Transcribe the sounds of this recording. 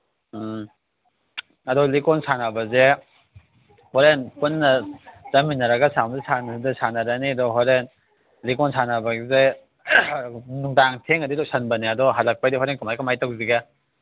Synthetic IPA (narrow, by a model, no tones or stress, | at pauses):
ɐdɔlikɔnsanabɐze | hɔɾenpunːɐzɐminɐɾɐɡɐsamzisandasanaɾaniɐdɔɦɔɾen | likɔnsanabɐɡze | nuŋdaŋtʰeŋɐdilosanbɐniɐdɔɦalɐk̚pajdiɦɔɾenkumajkamajtak̚ziɡa